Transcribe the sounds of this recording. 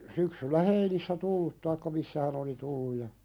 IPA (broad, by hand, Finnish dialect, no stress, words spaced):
syksylːæ heinisːæ tulːut tɑikːɑ misːæ hæn oli tulːuj jɑ